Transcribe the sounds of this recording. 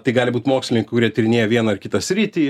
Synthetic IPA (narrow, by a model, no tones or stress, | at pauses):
t̪ɐɪɡɑːlʲɪbuːt̪ʲmoːksʲlʲɪɪŋkʊɾʲiɛt̪ʲɾʲɪnʲeːjɛʋʲiɛnɐɐrkʲɪt̪ɐsʲɾʲiːt̪ʲiː